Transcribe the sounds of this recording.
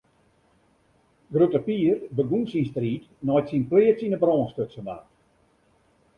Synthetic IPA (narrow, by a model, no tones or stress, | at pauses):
ɡrutəpiːərbəɡunsinstriːt | nɔjtsinpliːətsinəbrɔːnstøksəma̰ːt